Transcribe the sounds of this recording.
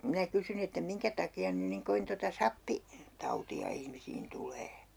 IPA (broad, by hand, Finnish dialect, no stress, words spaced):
minæ kysyn etːæ miŋkæ tɑkiɑn nyn niŋ koʋin totɑ sɑpːi tɑutiɑ ihmisiːn tuleː